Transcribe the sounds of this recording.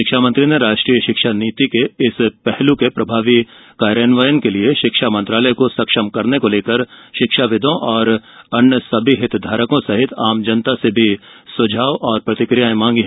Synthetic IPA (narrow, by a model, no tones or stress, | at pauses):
ʃɪkʃaːmɐ̃nt̪ɾineɾaːʃʈɾiːjəʃɪkʃaniːt̪ikeɪspɛɦlukepɾɐbʱaːʋi | kaːɾenʋəjənkelieʃɪkʃamɐ̃nt̪ɾaːləjkosɐkʃəmkɐɾnekoleːkəɾʃɪkʃaʋɪd̪ʱõʔɔːɾɐnjəsɐbʱiɦɪt̪d̪ʱaːɾəkõsɐɦɪt̪ʰaːmd͡ʒɐnt̪asebʱisʊd͡ʒʱaːʋʔɔːɾpɾɐt̪ɪkɾijaːẽmãːŋɡiɦɛ